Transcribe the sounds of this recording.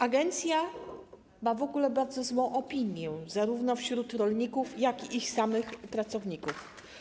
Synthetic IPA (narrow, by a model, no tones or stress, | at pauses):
aɡɛnt̪sʲja | mavɔɡulɛbaɾd̪zɔzwɔ̃w̃ʔɔpʲiɲjɛzaɾuvnɔfɕɾut̪ɾɔlɲikufjakiʔixsamɘxpɾat̪sɔvɲikuf